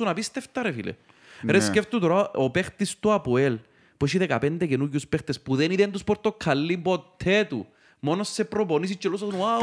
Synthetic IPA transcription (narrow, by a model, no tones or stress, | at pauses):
unapist̪eft̪ɐɾefḭlḛ | ɾesceft̪ut̪oɾaopext̪ist̪uapuel | pueʃiðekapend̪ecenuʝːuspext̪espuðeniðend̪uspɔɾt̪okʰːalːibot̪ʰːet̪ṵ | monosːepɾoponis̬it͡ʃːelosɐsnua